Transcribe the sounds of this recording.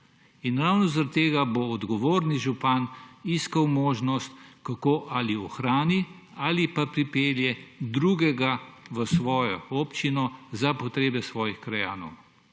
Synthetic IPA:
inɾawnɔzaɾat̪ːeːɡaboːd̪ɡɔʋoːɾniʒupaniskawmoːʒnɔst̪kakoːʔaliɔxɾaːni | aːlipapɾipeːljɛd̪ɾuːɡɛɡaʋəsʋɔːjɔ̰ɔːpt͡ʃinɔzapɔt̪ɾeːbɛsʋɔːjixkɾaja̰ːnɔ̰w

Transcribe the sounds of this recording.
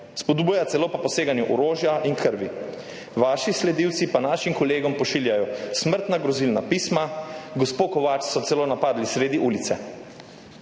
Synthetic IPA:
spɔd̪bujat̪sɛloːpapɔseːɡanjuʔɔɾoːʒjaʔinkʰəɾʋḭ | ʋaːʃislɛd̪iːwt̪sipanaːʃimkɔleːɡɔmpɔʃiːljajɔsməɾt̪naɡɾɔzilnapiːsmaɡɔspoːkɔʋaːt͡ʃsɔt̪sɛloːnapaːd̪lisɾeːd̪iʔuːlit̪sɛ

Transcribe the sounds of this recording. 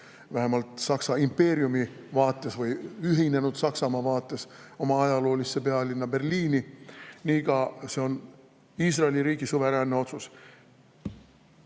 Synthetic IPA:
væɦemɑlt̪ˑsɑksɑimpe̞ːɾiumi | vɑːt̪ːˑe̞svɯjyɦine̞nud̪̥sɑksɑmɑvɑːt̪ːˑe̞so̞mɑɑjɑlo̞ːlisːe̞pe̞ɑlinːɑbe̞rliːniniːkɑse̞o̞n | iːsrɑelʲiɾiːɡisuveɾænːeo̞t̪sus

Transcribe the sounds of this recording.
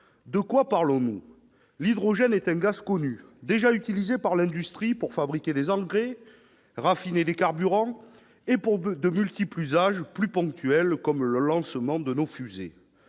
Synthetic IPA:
d̪əkwapaʁlɔ̃nu | lid̪ʁɔʒɛnɛt̪ɛ̃ɡazkɔnyd̪eʒayt̪ilizepaʁlɛ̃d̪yst̪χipuʁfabʁikʲed̪ezɑ̃ɡʁe | ʁafined̪ekaʁbyʁɑ̃ | epuʁd̪əmylt̪iplyzaʒplypɔ̃k̚t̪yɛlkɔmləlɑ̃səmɑ̃d̪ənofyze

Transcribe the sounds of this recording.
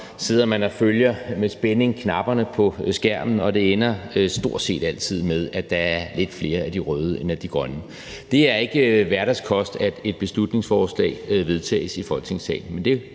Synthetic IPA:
se̝ð̞̰ˠɐmænɒføljɐmesb̥ene̝ŋkʰnɑ̈b̥ɐnəpʰɒ̽sɡ̥æɐ̰mn̩ɒ̽d̥e̝enɐsd̥o̝ɐ̰d̥se̝̰ːd̥æl̰t͡sʰið̞̰ˠmeð̞ˠæd̥ɑ̈æɐle̝d̥fle̝ːɐæd̥iʁœːð̞ˠəenæd̥iɡ̥ʁɶnə | d̥e̝æɐe̝ɡ̥əʋæɐɾ̥æskʰɒ̽sd̥æd̥e̝d̥̚b̥e̝slud̥ne̝ŋsfɒːslɛ̰ːɪʋe̝ðˠt͡sʰɛ̰ːsifɒ̽l̥t͡sʰe̝ŋsɛ̰ɪnmend̥e̝

